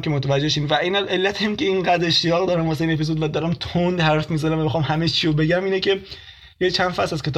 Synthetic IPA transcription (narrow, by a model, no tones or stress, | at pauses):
mkʲʰemot̪ʰævæd͡ʒːeʃiːnvæinælelːæt̪ʰemceiŋɡæd̪ɾeʃt̪ijɒːɣd̪ɒːɾæmhɒːs̬eiːne̞pizod̪væd̪ɒːɾæmt̪ʰond̪hæɾfmizænævæmexɒːmhæmet͡ʃʰiɾobe̞ɟæmiːnece̞ | jet͡ʃʰænd̪̥fæsæz̥kʲʰe